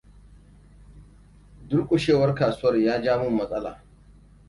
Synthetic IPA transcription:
dʊ˦rkʷʼʊ˨ʃeː˦˨wɐ˦rkaː˨sʊ˦wɐ˦rjaː˦d͡ʒaː˦mʊ˦mːɐ˨sʼɐ˦la̰ː˨

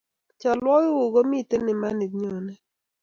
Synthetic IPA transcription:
t͡ʃa˨lwɔ˦wwo˨ɡo˦mi˦˨te˦nɪ˨ma˦ni˨ɲo˨nɛ˦

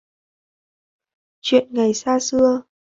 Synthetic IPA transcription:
t͡ɕwḭ˧˨ənŋa˨˩jsaː˧sɨ˧ə

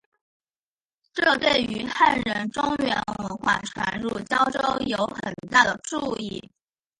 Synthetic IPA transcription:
ʈ͡ʂɤ˥˧t̪we˥˩ɪy˧˥xa˥˩nɻə˧˥nʈ͡ʂʊ˥ŋɥɛ˧˥nwə˧˥nxwa̰˥˩ʈ͡ʂʰwa̰˧˥nɻu˥˩t͡ɕjɑ˥ʊʈ͡ʂo˥ʊjo˧˥ʊxə˨˩nt̪a˥˩d̪ə˩ʈ͡ʂu˥˧i˥˩

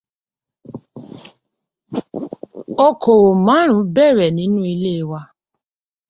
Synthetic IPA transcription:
ɔ˦kʰo˨ɾo˨mã˨˦ɾ̃ʊ̃˨˦bɛ˦˨ɾɛ˨nĩ˨˦nũ˦i˧le˦e˦wa˦

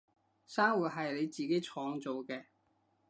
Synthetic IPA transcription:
saː˥ŋwuː˨˩ɦɐ˨jle˨˧jt͡siː˨ke˦˥jt͡sʰɔː˨˧ŋt͡so˨wkɛː˧

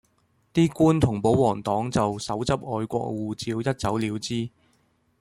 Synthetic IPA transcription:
t̪iː˥kuː˥nt̪ʰʊ˨˩ŋpo˨˥wɔː˨˩ŋt̪ɔː˨˥ŋt͡sɐ˨wsɐ˨˥wt͡sɐ˥p̚ɔː˧jkʷɔ̰ː˧˥k̚wuː˨t͡siː˧wjɐ˥t̚t͡sɐ˨˥wliː˨˧wt͡siː˥

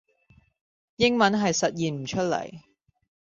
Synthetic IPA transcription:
jɪ˥ŋmɐ˨˥nɦɐ˨jsɐ˨t̚jiː˨nm̩˨˩t͡ʃʰɵ˥t̚lɐ̰˨˩j

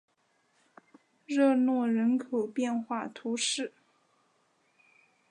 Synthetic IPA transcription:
ɻɤ˥˧nwɔ˥˩ɻə˧˥nkʰo˨˩ʊpjɛ˥˧nxwa˥˩t̪ʰu˧˥ʂɻ̩˥˩

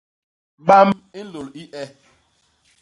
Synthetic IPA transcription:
ɡ͡ba˦m̩˦ɪ˦n̩˦dʊ˨li˦ʔɛ˦

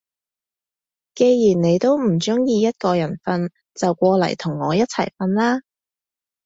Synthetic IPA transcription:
ke˧jjiː˨˩nne˨˧jt̪o˥wm̩˨˩t͡ʃʊ˥ŋjiː˧jɐ˥t̚kɔː˧jɐ˨˩nfɐ˧n | t͡sɐ˨wkʷɔː˧lɐ̰˨˩jt̪ʰʊ˨˩ŋːɔː˨˧jɐ˥t̚t͡sʰɐ̰˨˩jfɐ˧nlaː˥

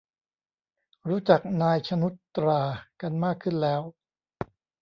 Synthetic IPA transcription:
ɾuː˦˥t͡ɕa˨˩k̚naː˧jt͡ɕʰa˧nu˦˥t̪ːɾaː˧ka˧nmaː˥˩kʰːɯ˥˩nlɛː˦˥w

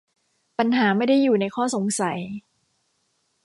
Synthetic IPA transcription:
pa˧nɦaː˩˦ma˥˩jda˥˩jːuː˨˩na˧jkʰɔː˥˩so˨˩˦ŋsa˩˦j

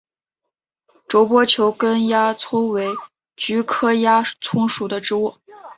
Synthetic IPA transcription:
ʈ͡ʂo˧˥ʊpwɔ˥t͡ɕʰjo˧˥ʊkə˥nja˥t͡sʰʊ˥ŋwe˧˥ɪ | t͡ɕy˧˥kʰɤ˥ja˥t͡sʰʊ˥ŋʂu˨˩d̪ə˦ʈ͡ʂɻ̩˧˥wu˥˩

